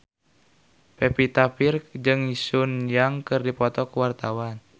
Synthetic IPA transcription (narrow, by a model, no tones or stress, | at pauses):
pɛpit̪apird͡ʒɨŋisunjaŋkɨrdipɔt̪ɔkuwart̪awan